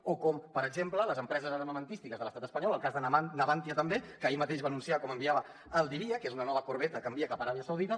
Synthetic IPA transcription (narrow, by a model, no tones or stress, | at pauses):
okɔmpəɾəɡʒemplələzəmpɾɛzəzəɾməmənt̪ist̪ikəzðələst̪at̪əspəɲɔləlˠkazðənəβant̪iət̪əmbekəːimət̪eʃβanunsiakɔməmbiaβəː | lˠd̪iβiəkezunənɔβəkuɾβ̞ɛt̪əkəmbiəkapəɾaβiəsəwð̞it̪ə